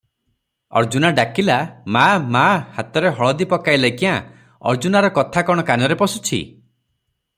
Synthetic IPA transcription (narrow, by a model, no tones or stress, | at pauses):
ɔ̰ɾd͡ʒunaɖakilamamahat̪ɔɾeɦɔɭɔd̪ipɔkajlajkiã | ɔ̰ɾd͡ʒunaɾɔkɔt̪ʰakɔɽ̃ɔkanɔɾepɔsut͡ʃʰḭ